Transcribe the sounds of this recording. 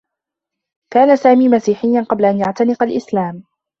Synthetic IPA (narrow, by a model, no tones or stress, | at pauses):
kaːnasaːmiːmasiːħɪjːanqɑblaʔanjaʕt̪anɪqalʔɪslaːm